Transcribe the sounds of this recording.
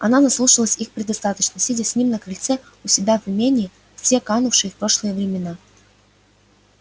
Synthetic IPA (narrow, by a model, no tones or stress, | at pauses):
ɐnazɐslˠuʂəlˠəsʲixpɾʲɪd̪ɐst̪at̪ət͡ɕnəsʲidʲɪsʲnʲimnəkɾɨlʲt̪sɛ | ʊsʲɪbʲavɨmʲenʲɪː | fsʲekanʊfʂɨjəfpɾo̞ʂlˠəjəvɾʲɪmʲɪna